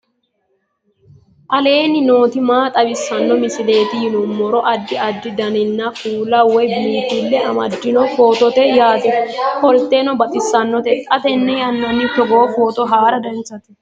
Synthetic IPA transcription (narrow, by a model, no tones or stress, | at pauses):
ʔɐle̞ːnɪno̞ːt̪ɪmaːt̪ʼɐbɪsːɐnːɔmɪsɪle̞ːt̪ɪjɪnɔmːɔɾɔʔɐd̪ːɪɐd̪ːɪd̪ɐnɪnːɐfuːlɐwɔjbiːt̪ɪlːɛɐmɐd̪ːɪnɔfoːt̪ɔt̪ɛjaːd̪ɛhɔlt̪ːenɔbɐt̪ʼɪsːɐnːɔt̪ɛt̪ʼɐt̪ɛnːɛjɐnːɐnːɪt̪ɔɡoːfoːt̪ɔɦaːɾɐd̪ɐnt͡sːɐt̪ɪ̥